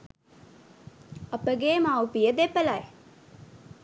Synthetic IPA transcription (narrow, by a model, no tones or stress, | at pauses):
ɐpəɡeːmawpijəd̪epəlae